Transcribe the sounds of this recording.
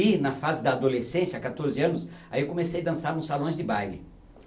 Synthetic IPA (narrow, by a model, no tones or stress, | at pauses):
inɐfazɪd̪ɐːd̪olesẽsjɐakat̪oɾzɪɐ̃nʊsa̰iewkõmesejɐd̪ɐ̃saɾnʊ̃salõj̃zd̪ɪbajlɪ̰